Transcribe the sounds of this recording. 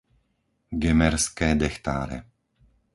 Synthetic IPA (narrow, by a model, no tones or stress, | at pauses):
ɡɛmɛɾskɛːd̪ɛxt̪a̰ːɾɛ̰